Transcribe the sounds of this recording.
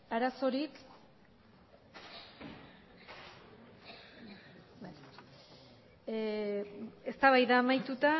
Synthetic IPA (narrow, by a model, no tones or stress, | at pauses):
aɾaso̞ɾik | ba | e̞st̪aβajðaːmajt̪ut̪a